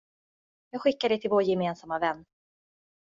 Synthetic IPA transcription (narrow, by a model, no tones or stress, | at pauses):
jɑːɡɧɪkːad̪ɛt̪ʰɪlvoːɾjɛmeːnsamːavɛnː